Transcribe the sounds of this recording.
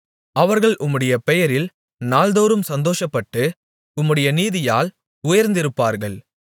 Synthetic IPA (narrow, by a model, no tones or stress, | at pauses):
ɐʋɐɾɣɐɭʔʊmːɯɽɐjɐpɛjɐɾɪl | naːld̪oːɾɯmsɐnd̪oːʂɐpːɐʈːɯ | ʊmːɯɽɐjɐniːðɪjaːl | ʊjɐɾnd̪ɪɾɯpːaːɾɣɐɭ